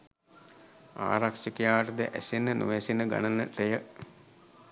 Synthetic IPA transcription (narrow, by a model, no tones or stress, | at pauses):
a̰ːɾakʂəkijaːʋəʈəd̪əʔæsenːənṵʋæsinəɡa̰nənəʈejə